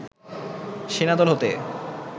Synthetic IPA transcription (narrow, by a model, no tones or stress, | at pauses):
ʃinad̪ɔlɦot̪e